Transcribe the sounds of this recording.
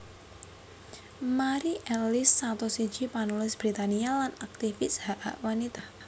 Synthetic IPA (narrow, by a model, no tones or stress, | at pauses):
maɾiʔɛlɪsːat̪ɔsiɲt͡ʃipanulɪsb̥ɾit̪anialanak̚t̪ifɪshaʔaʔwanit̪a